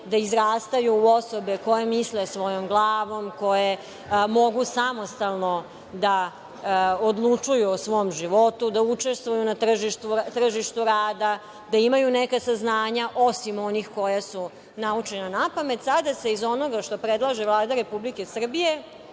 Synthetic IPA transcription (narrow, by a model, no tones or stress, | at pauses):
d̪aizɾaːst̪ajuuo̞sobeko̞jemislesʋo̞jo̞mɡlˠaːʋo̞mkoje | mo̞ɡusamo̞st̪alˠno̞ | d̪a | od̪lˠut͡ʂujusʋo̞mʒiʋo̞t̪ud̪aut͡ʂe̞st̪ʋojunat̪r̩ʒiʃt̪ut̪r̩ʒiʃt̪uɾaːd̪a | d̪aimajunekasaznaːɲaʔo̞simo̞nixko̞jasu | naut͡ʃenanapame̞t̪sad̪ase̞izo̞noɡaʃt̪o̞pɾed̪lˠaʒevlˠaːd̪aɾe̞publike̞sr̩bije̞